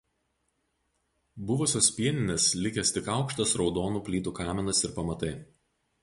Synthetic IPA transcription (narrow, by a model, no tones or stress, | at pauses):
bʊʋʊsʲoːspʲiɛnʲɪnʲeːslʲɪkʲesʲt̪ʲɪkɑˑʊkʃt̪ɐsɾɒʊd̪oːnuːpʲlʲiːt̪uːkɑːmʲɛɪnɐsɪɾpɐmɐt̪ɐɪ